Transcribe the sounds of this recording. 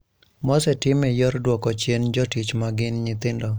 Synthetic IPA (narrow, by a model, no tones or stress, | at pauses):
mɔsɛtɪmɪjɔɾdwɔkɔt͡ʃjend͡ʒɔtit͡ʃmaɡɪnɲɪt̪ɪndɔ